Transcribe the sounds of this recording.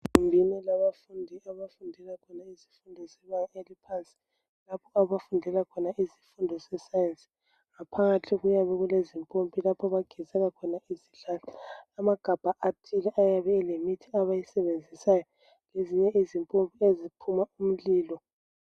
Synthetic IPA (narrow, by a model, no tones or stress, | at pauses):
ɣumbʱinɛlaβafundʱiaβafundʱɛlakʰɔnaizi̥fundʱɔsɛβajɛelipʰant͡sʼi̥ | lapʰɔaβafundʱɛlakʰɔnaʔizi̥fundʱɔsɛsajent͡sʼi̥ | ŋapʰaŋatʰiɣujaβɛɣulezimpʼompʼilapʰɔβaɡ̥ʱizɛɣakʰɔnaiziɮaːlɔamaɡ̥ʱab̥ʱaʔatʰʼilɛʔajaβɛlemitʰiaβajisɛβend͡zʱisajɔ | leziɲɛʔizimpʼompʼiezipʰumaum̩liːlɔ